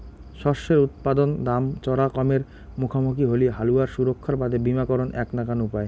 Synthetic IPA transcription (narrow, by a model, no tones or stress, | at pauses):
ʃɔɾʃeɾut̪̚pad̪ond̪amt͡ɕɔɾakɔmeɾ | mukʰamuk̬iɦoliɦaluaɾʃuɾokʰːaɾbad̪ʱebimakɔɾonʔɛknakanupae